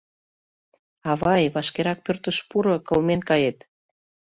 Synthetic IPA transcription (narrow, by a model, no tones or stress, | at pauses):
ɑβɑjβɑʃkeɾɑk̚pørt̪əʃpuɾokə̆lmenkɑjet̪